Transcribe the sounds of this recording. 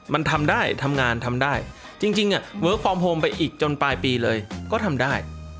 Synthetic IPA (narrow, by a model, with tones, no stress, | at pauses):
ma˧nt̪ʰa˧mdaː˥˩jt̪ʰa˧mŋaː˧nt̪ʰa˧mdaː˥˩j | t͡ɕi˧ŋt͡ɕi˧ŋʔa˨˩wɤː˦˥kʰɔː˧mɦoː˧mpa˧jʔiː˨˩k̚t͡ɕo˧npaː˧jpiː˧lɤː˧jkɔː˥˩t̪ʰa˧mdaː˥˩j